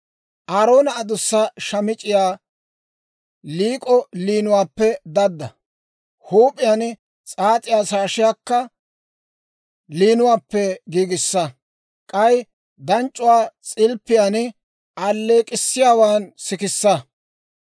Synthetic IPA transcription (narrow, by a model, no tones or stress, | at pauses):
ʔaːɾo̞ːnɐːd̪ʊsːɐʃɐmɪt͡ʃʼɪjaː | liːkʼɔliːnʊwaːpːɛd̪ɐd̪ːɐ̰ | huːpʼɪjan | t͡sʼaːt̪ʼɪjaːsaːʃɪjaːkːɐ | liːnʊwaːpːɛɡiːɡɪsːɐ | kʼɐj | d̪ɐnt͡ʃʼːʊwaːt͡sʼɪlpːɪjaːn | ʔɐlːeːkʼɪsːɪjaːwaːnsɪkɪsːɐ